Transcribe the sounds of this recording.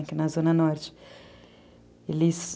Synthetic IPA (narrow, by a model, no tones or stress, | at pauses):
kɪnɐzõnɐnɔɾt͡ʃɪ̥ | elɪs